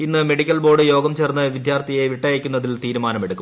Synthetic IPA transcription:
inːɨme̞ɽikʲːɐlbo̞ːrɖɨjo̞ːɡɐmt͡ɕernːɨʋid̪jaːrt̪ʰijeʋiʈːɐjekʲːunːɐðilt̪iːɾumaːnɐmeɽukːum

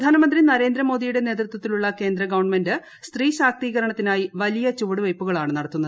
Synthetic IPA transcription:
d̪ʱaːnɐmɐnd̪rinɐɾe̞ːnd̪ɾɐmo̞ːd̪ijuɽe̞ne̞ːt̪rut̪wɐt̪ːiluɭːɐke̞ːnd̪ɾɐɡɐʋɐɳme̞ndɨ | st̪riːɕaːk̚t̪iːɣɐɾɐɳɐt̪ːinaːjiʋɐlijɐt͡ɕuʋɽɨʋɐjpːuɣɐɭaːɳɨnɐɽɐt̪ːunːɐð

